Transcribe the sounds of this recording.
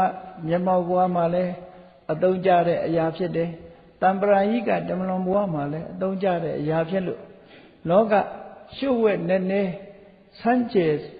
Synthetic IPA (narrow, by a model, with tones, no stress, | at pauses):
a˦˨mjɛ˨ma˨bəwa˦˨m̥a˨lɛ˦ | ʔət̪õ˦ʊ̃ɲt͡ɕa̰˦˨ɾɛ̰˦˨ʔə˨ja˨pʰjɪ˦˨tɛ˨ | t̪ã˨mbəɾa˨jḭ˦˨ɡa̰˦˨tə˨mə˨lʊ̃˨mbə˨wa̰˦˨ma˨lɛ˦ʔət̪õ˦ʊ̃ɲt͡ɕa̰˦˨ɾɛ̰˦˨ʔə˨ja˨pʰjɪ̃˦˨ʔlo̰˦˨ | lɔ˦ka̰˦˨ʃo̰˦˨wɛ˦˨nɛ˦˨nɛ˦ | sʰã˦ɲt͡ɕɛ˨